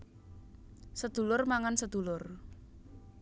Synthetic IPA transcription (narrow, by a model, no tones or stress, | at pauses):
səd̪̥ṳlʊrmaŋansəd̪̥ṳlʊr